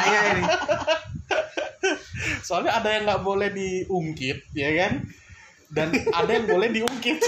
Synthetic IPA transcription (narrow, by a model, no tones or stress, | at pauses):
a | soalɲaadajaŋɡaʔbolɛhdiuŋkɪt̪̚jakan | danadajaŋbolɛhdiuŋkɪt̪̚